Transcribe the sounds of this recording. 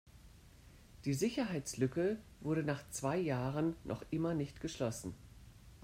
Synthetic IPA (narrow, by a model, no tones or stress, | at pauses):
d̥iːzɪçɐɦaɪt͡slʏkəvʊɐɾənaːχt͡sv̥aɪjaːʁənːʔɔ̰χʔɪmɐnɪçtɡ̥əʃlɔsn̩